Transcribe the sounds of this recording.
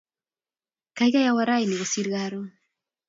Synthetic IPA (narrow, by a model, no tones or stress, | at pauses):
kajɣajawaɾajniɣosiɾɣaɾu